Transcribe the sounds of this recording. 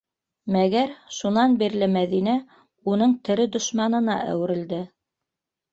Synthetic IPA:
mæɡæɾʃunɑnbiɾlɘmæðinæ | unɤɴt̪ɘ̆ɾɘd̪ŏʃmɑnɤ̆nɑʔæ̰wɘ̆ɾɘ̆ld̪ɘ

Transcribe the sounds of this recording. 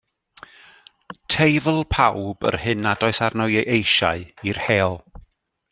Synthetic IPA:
tʰejvəl̩ˠpʰawbə̰rhɨnadɔɨsarnɔɨeʔejʃa̰ɨirhɛːɔlˠ

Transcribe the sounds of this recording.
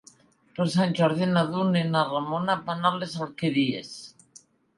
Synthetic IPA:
p̪osanʲʒɔɾðinaðunenaramonapanalesalkeɾiḛs

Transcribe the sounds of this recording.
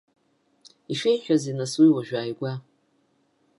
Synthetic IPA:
iʃejħᶣazinaswiwaʒᶣaːjɡʷa

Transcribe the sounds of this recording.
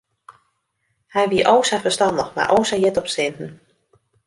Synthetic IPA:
hɛjʋiəʔowsafəstɑndəxma̰ʔoːwsajɛtɔpsɪntn̩

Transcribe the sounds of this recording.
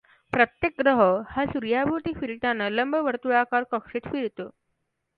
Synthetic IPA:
pɾət̪jek̚ɡɾəɦəhasuɾjabʱut̪iːfiɾʈanələmbʱəʋəɾt̪uakaɾkəkʂiːt̪fiɽt̪o

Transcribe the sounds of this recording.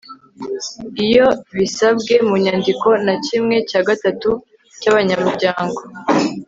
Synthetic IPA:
ijo̞βisabɡe̞muɲaːndiko̞nacimŋe̞caːɡatatu | caβaɲamuɾɟaːŋɡo̞

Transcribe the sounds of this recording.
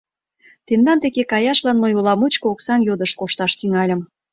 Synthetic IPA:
t̪end̪ɑnt̪ekekɑjɑʃlɑnːojolɑmut͡ɕkooksɑnjod̪əʃkoʃt̪ɑʃt̪yŋɑlʲə̆m

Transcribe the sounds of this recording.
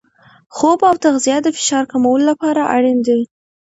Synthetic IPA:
xobawt̪aɣzijad̪əfɪ̥ʃɑɾkamawəlolapɑɾaʔa̰ɽind̪ai

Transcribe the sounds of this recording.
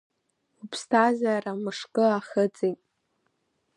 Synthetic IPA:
upʰstʰazaːɾamɨʂkʼɨaχət͡sʼijtʼ

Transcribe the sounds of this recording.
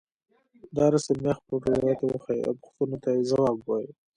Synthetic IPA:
d̪ɑɾasemexpoʈowjɑt̪ewəxaḭa̰wpʊ̥xt̪unot̪ajezawɑbwaji

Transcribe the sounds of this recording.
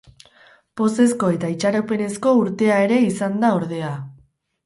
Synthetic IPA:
po̞se̞sko̞e̞t̪ait͡ʃaɾope̞ne̞sko̞uɾt̪e̞ae̞ɾe̞isand̪ao̞ɾð̞e̞a

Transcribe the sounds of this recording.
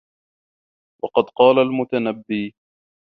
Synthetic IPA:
wʔɑqɑd̪qɑːlalmʊt̪anabːiː

